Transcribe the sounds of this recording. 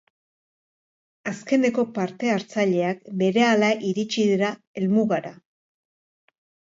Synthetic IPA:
aske̞ne̞ko̞paɾt̪e̞aɾt͡saʎe̞ak̚be̞ɾe̞alaʔiɾit͡ʃiðiɾa | e̞lmuɣaɾa

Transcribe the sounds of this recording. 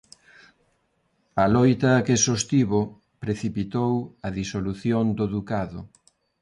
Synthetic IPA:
ɐlɔjt̪ɐkesost̪iβo | pɾeθipit̪owɐðisoluθjond̪oðukaðʊ̰

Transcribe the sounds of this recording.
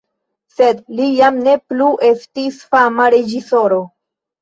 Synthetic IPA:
se̞d̪lijamne̞pluʔe̞stisfamaɾe̞d͡ʒiso̞ɾo̞

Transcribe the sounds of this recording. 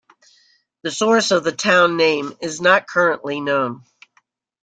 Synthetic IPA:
ðɨsɔɹsʌvðɨtʰãʊ̃nːẽɪ̃mɪznət̚kʰɜ˞ə̃nʔlinõʊ̃n

